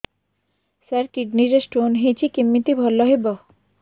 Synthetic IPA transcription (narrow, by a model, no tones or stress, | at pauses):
səɾkiɖniɾesʈonɦĩt͡ɕikimːit̪ibʱɔlːɔɦebɔ